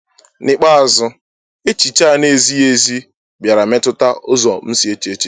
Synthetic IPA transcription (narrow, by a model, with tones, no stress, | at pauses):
nɪ˦k͡pa˦˨zʊ˦ | e˦t͡ʃi˨t͡ʃa˦˨ne˨zi˦e˨zi˦ | bja˨ɾa˨me˦tʊ˦ta˦ʊ˦zɔ˨m̩˦si˨e˦t͡ʃi˨e˦t͡ʃi˦